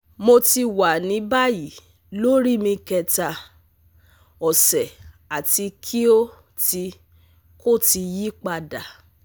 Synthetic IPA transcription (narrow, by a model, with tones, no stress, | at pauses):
mo˧ti˧wa˨nĩ˨˦ba˦ji˨ | lo˦ɾi˦mĩ˧kɛ˧˨ta˨ | ɔ˨sɛ˨ | a˨ti˧kʰi˦o˦ | ti˧ | ko˦˨ti˧ji˦k͡pa˧da˨